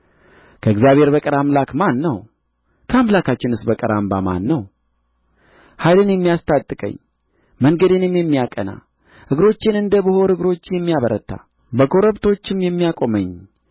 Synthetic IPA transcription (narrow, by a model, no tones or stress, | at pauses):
kʰəɨɡzjaβhe̞ɾbəkʼɨɾamlakmanːəw | kʰəamlakat͡ʃːɪnɨsbəkʼɨɾamba̰ma̰nːəw | hajlɨnjɛmːijast̪ʰʼat̪ʼːɨkʼə̰ɲː | məŋɡəd̪ɨnɨmjɛmːijakʼəna̰ | hɨɡɾo̞t͡ʃːɪnɨnd̪əbɨho̞ɾɨɡɾo̞t͡ʃːjɛmːijaβəɾə̰t̪ʰːa̰ | bəkʰo̞ɾəbt̪ʰo̞t͡ʃːɪmjɛmːijakʼo̞məɲ